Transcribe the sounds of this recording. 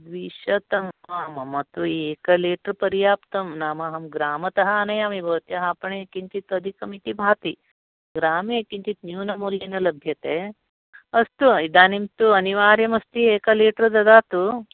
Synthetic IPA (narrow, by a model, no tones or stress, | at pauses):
d̪ʋiːʃɐt̪ɐmaːmɐmɐt̪ueːkɐliːʈɐɾpɐɾijaːpt̪ɐmnaːmaɦɐmɡɾaːmɐt̪ɐɦɐːnɐjaːmibʱɐʋɐt̪jɐɦaːpɐɳeekint͡ʃ̪it̪ɐd̪ʱikɐmit̪ibʱaːt̪i | ɡɾaːmeekint͡ʃ̪it̪njuːnɐmuːljɐnɐlɐbʱjɐt̪eː | ɐst̪uid̪aːnimt̪uɐniʋaːɾjɐmɐst̪ieːkɐliːʈɐɾd̪ɐd̪aːt̪u